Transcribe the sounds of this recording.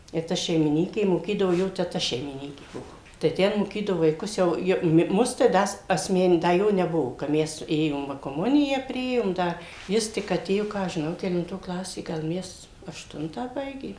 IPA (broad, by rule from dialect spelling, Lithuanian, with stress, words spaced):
ɪ ˈtɐ ʃʲɛɪmʲɪˈnʲiːkʲeː moːˈkʲiːdɐʋoː ˈjoː tʲɛˈtɐ ʃʲɛɪmʲɪˈnʲiːkʲeː ˈbuɔ tɐɪ ˈtʲɛn moːˈkʲiːdɐʋoː ʋɐɪˈkʊs ˈjɛʊ joː ˈmʊs tɐɪ ˈdɐ s ɐsʲˈmʲɛn ˈdɐ ˈjoː nʲɛˈbʊʋoː kɐ ˈmʲɛs ˈeːjoːm ˈʋɐ koːˈmʊnʲɪjæː ˈpʲrʲɪeːjoːm ˈdɐ ˈjɪs tʲɪk ɐˈtʲeːjoː ˈkɑː ɐʃ ʒʲɪˈnɐʊ kʲɛlʲɪnˈtoː ˈklˠɑːsʲeː ˈɡɐlˠ ˈmʲɛs ɐʃˈtʊntɑː ˈbɐɪɡʲeː